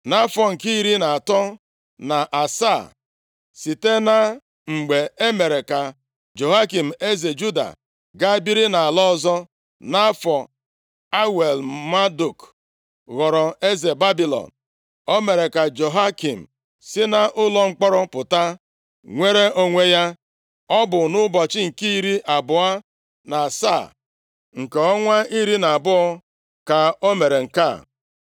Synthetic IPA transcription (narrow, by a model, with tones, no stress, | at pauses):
na˦fɔ˨ŋ̩˨ki˦i˦ɾi˦na˨a˨tɔ˦ | na˨ʔa˨sa˦˨ | si˨te˦na˦ | ŋ͡m̩˨ɡ͡be˨e˦me˨ɾe˨ka˨ | d͡ʒo˨ɦa˦ki˨m̩˨e˦ze˨d͡ʒu˦da̰˨ | ɡa˦bi˦ɾi˦na˨a˨lɔ˦zɔ˦ | na˦fɔ˨ | a˦we˨lma˦du˨k | ɣɔ˨ɾɔ˨e˦ze˨ba˦bi˨lɔ̰˨n | o˦me˨ɾe˨ka˨d͡ʒo˨ɦa˦ki˨m̩˨ | sɪ˦na˦ʔʊ˦lɔ˨ŋ͡m̩˦k͡pɔ˦ɾɔ˦pʊ˨ta˦ | ŋʷe˦ɾe˦ʔo˦ŋʷe˦ja˦ | ɔ˦bʊ˨nʊ˦bɔ˨t͡ʃɪ˦ŋ̩˨ki˦i˦ɾi˦ʔa˨bʊ˨a˦ | na˨sa̰˦˨ | ŋ̩˨ke˨ɔ˦ŋʷa˦i˦ɾi˦na˨a˨bʊ˦ɔ˦ | ka˨o˦me˨ɾe˨ŋ̩˨ka̰˦˨